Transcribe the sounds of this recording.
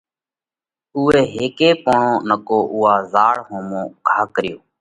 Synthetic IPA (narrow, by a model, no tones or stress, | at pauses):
ʊːeːɦeːkeːpoːɳõːnəkoːʔʊːaːzaːɽɦõːmõːɡʱaːkəɾɪjoː